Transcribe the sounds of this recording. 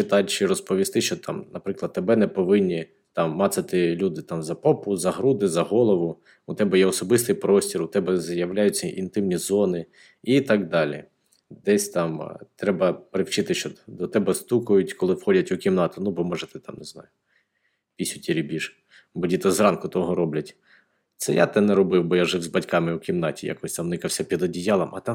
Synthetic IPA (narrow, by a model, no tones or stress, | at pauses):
t͡ʃɪt̪ɑt͡ʃɪɾɔspɔʋʲist̪ɪʃt͡ʃɔt̪ʰɑ̰mnɐpɾɪklˠɐd̪̚t̪ɛbɛnɛpɔʋɪnʲːi | t̪ɑmːɑt̪sɐt̪ɪlʲud̪ɪt̪ɑmzɐpɔpʊzɐɦɾud̪ɪzɐɦɔlˠɔʋʊ | ʊt̪ɛbɛjɛɔsɔbɪst̪ɪjpɾɔsʲtʲiɾʊt̪ɛbɛzjɐwlʲajʊt͡sʲːɐʔint̪ɪmnʲizɔnɪ | it̪ɑɡ̚d̪ɑlʲḭ | d̪ɛsʲt̪ɑmt̪ɾɛbɐpɾɪwt͡ʃɪt̪ɪʃt͡ʃɔd̪ɔt̪ɛbɛst̪ukʊjʊtʲkɔlˠɪwxɔdʲɐtʲʊkʲimnɑt̪ʊnubɔmɔʒɛt̪ɪt̪ɑmneznɑ̰jʊ | pʲisʲʊtʲiɾʲibʲiʃ | bɔdʲit̪ɐzrɑnkʊt̪ɔɦɔɾɔblʲɐtʲ | t̪sɛ̰ja̰t̪ɛnɛɾɔbɪwbɔjaʒɪwzbɐtʲkɑmɪʊkʲimnɑtʲija̰kɔsʲt̪ɑmnɪkɐwsʲɐpʲid̪ɔdʲijɑlˠɐmɐ̰t̪ɑ